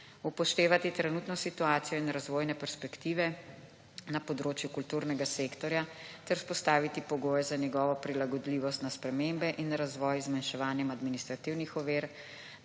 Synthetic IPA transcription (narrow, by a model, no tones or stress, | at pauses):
upɔʃt̪eːʋat̪it̪ɾɛnut̪nɔsit̪uaːt̪sijɔinɾazʋoːjnɛpɛɾspɛkt̪iːʋɛ | napɔd̪ɾoːt͡ʃjukult̪uːɾnɛɡasekt̪ɔɾjat̪ɛɾuspɔst̪aːʋit̪ipɔɡoːjɛzanjɛɡɔːʋɔpɾilaɡɔd̪liːʋɔst̪naspɾɛmembɛʔinɾazʋɔjzmanʃɛʋaːnjɛmad̪minist̪ɾat̪iwnixɔʋeːɾ